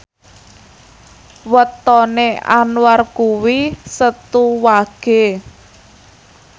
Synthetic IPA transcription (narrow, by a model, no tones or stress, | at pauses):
wət̪ɔnea̰nwarkuwisət̪uwaɡ̥e̤